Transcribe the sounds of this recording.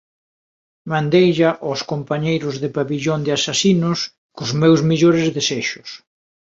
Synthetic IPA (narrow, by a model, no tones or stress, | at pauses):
mãnd̪ejʎaʔɔskompaɲejɾʊzðɪpaβiʎond̪ɪasasinʊs | kʊzmewzmeʎoɾɪzðeseʃʊ̥s